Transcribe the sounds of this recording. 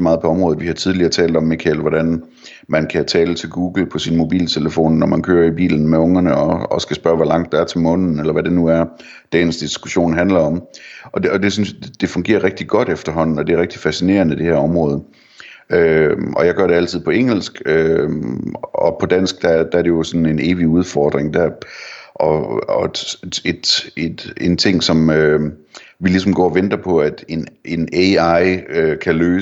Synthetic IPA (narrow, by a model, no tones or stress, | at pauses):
mɑ̈ːðˠpʰɒ̽ɒ̽mʁɔ̽ːð̩ˠʋihɑ̈t͡sʰið̞ˠliɐt͡sʰɛ̰ːld̥ɒ̽mːikʰælʋɒɾ̥æn | mænkʰæt͡sʰɛːlət͡sʰe̝lɡ̥uːɡ̥l̩pʰɒ̽sinmo̝b̥ḭːlt͡sʰe̝ləfo̝̰ːnːɒmænkʰøːɐib̥ḭːln̩meɔ̽ŋɐnəɒɒsɡ̥æsb̥ɶɐʋælɑ̈ŋ̰d̥ɑ̈æɐt͡sʰe̝lmɔ̽n̰ðn̩elɐʋæde̝nuæɐ | d̥ensd̥isɡ̥uɕo̝̰ːnɦænlɐɒ̽mʔɒ̽ɒ̽d̥e̝synsd̥e̝fɔ̽ŋɡ̥e̝̰ːɐʁeɡ̥̚d̥iɡ̥ɒ̽ɾ̥efd̥ɐɦɒ̽n̰n̩ɒ̽d̥e̝æʁɛɡ̥̚d̥i̥fæsine̝̰ːɐnəd̥e̝hæɐɒ̽mʁɔ̽ːð̞ˠ | øɒ̽jɑ̈ɪɡ̥ɶɐɾ̥e̝æl̰t͡sʰið̞̰ˠpʰɒ̽eŋ̰l̩sɡ̥ø | ɒpʰɒ̽d̥æn̰sɡ̥̚d̥æd̥ææɐɾe̝jo̝sɒ̽nn̩e̝ne̝ːʋiuð̞ˠfɒːd̥ʁeŋd̥æɐʔɒ̽ɒed̥ed̥ent͡sʰe̝ŋ̰sɒ̽mø | ʋilisɒ̽mɡ̥ɒ̰ːɒʋend̥ɐpʰɒ̽æd̥e̝ne̝neɑ̈ɪøkʰæløː